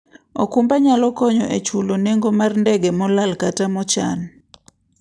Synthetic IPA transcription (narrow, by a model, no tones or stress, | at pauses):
ɔ̰kumbaɲalɔkɔɲɔʔet͡ʃuloneŋɡɔmarndɛɡɛmɔlalkatamɔt͡ʃa̰n